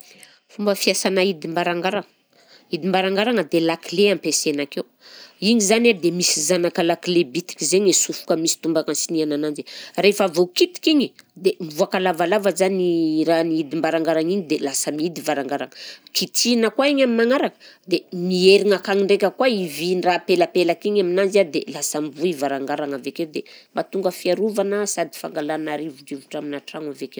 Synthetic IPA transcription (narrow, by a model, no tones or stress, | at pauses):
fumbəfiasanaid̪imbaɾaŋɡaɾaŋ | id̪imbaɾaŋɡaɾaŋəd̪elakileampesenakew | iɲizanad̪emisizanakəlaklebit̪i̥kʲizeɲesufu̥kəmisi̥t̪umbakansiniananand͡ʒirefavokit̪i̥kiɲid̪emivuakalavalavazaniɾaniid̪imbaɾaŋɡaɾaŋiɲid̪elasamiid̪ivaɾaŋɡaɾaŋəkit̪inəkwaiɲaminaŋaɾakə̥d̪emieɾiŋakaŋiɳɖ͡ʐekʲəkwaivinrapelapelakiɲaminand͡ʒiad̪elasamivuivaɾaŋɡaɾaŋavekewd̪emat̪uŋɡəfiaɾuvanəsad̪i̥fa̰ŋɡalanaɾivuʈ͡ʂivu̥ʈ͡ʂaminaʈ͡ʂaŋavekew